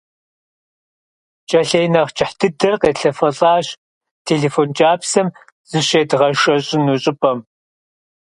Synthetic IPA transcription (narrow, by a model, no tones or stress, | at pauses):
t͡ʃʼɐɬeːjnɐχt͡ʃʼɪħdʰɨdɐrqeːɬɐfɐɬʼɑːɕ | tʰeːɮeːfoːnt͡ʃʼaːpsɐm | z̥ɨɕeːdʁɐʂʼɐɕʼɪnuɕʼɪpʼɐm